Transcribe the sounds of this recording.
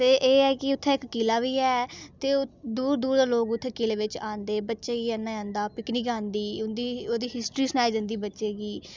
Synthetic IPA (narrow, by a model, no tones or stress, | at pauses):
t̪eːʔeːɛːkɪʊt̪ʰːẽːɪkːiːlaːʋiːɛːt̪eːd̪uːɾd̪uːɾd̪aːloːɡʊt̪ʰːeːkɪːleːʋɪt͡ʃãːnd̪eːbətːʃeːɡiːaːnːãːãːnd̪aːpɪknikãːnd̪iːʊnd̪iːoːd̪iːɦɪsʈɾiːsnaːɪd͡ʒənd̪iːbətːʃeːɡiː